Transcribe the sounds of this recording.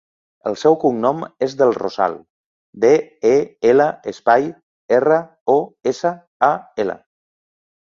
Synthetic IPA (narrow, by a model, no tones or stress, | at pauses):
əlˠsɛwkuŋnɔmezðəlˠro̰za̰lˠ | d̪eeeləəspaj | erə | oesə | aelə̰